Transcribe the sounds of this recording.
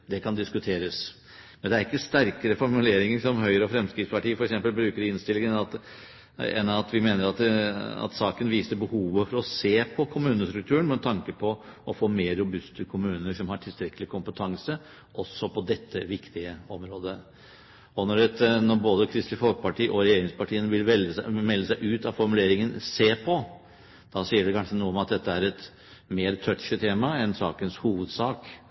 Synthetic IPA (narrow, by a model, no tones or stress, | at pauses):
d̪ɛkʰɑnd̪ɪskʉt̪ʰeːɾəs | mɛnd̪ɛæɾɪkːəst̪æɾkəɾəfɔɾmʉleːɾɪŋəʂɔmɦœʏɾəɔfɾɛmskɾɪt̪spɑʈiːəfɔɾɛksɛmpəlbɾʉːkəɖɪnst̪ɪlːɪŋənɑt̪ | ɛ̰nːɑt̪ʋɪmeːnəɾɑt̪ɑ̰t̪sɑːkənʋiːsəbəhuːʋəfɔɾɔseːpʰɔkʰʊmʉːnəst̪ɾʉk̚t̪ʰʉːəɳmɛnt̪ʰɑŋkəpʰɔʔɔfoːmeːɾːʊbʉst̪əkʰʊmʉːnəʂɔmhɑʈʰɪlst̪ɾɛkːəlɪkʰʊmpət̪ʰɑŋsə | ʔɔsːɔpʰɔd̪ɛt̪ʰːəʋɪkt̪ɪəɔmɾoːd̪ə | ɔnɔɖɛt̪nɔɾboːd̪əkʰɾɪst̪lɪfɔlk̚pɑʈʰiːʔɔɾɛjeːɾɪŋspɑʈʰiːənəʋɪlʋɛləmɛlːəsæɪʔʉːt̪ɑʋfɔɾmʉleːɾɪŋənseːpʰɔ | d̪̥ɑsiːəɖɛkʰɑnʂənuːəɔmɑt̪̚d̪ɛt̪ːəæɾɛt̪ | meːɾt̪ʰœt̪ʂət̪ʰeːmɑɛnsɑ̰ːkənshuːʋəd̪sɑːk